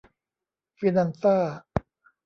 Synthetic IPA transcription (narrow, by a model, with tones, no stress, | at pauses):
fi˧na˧nsaː˥˩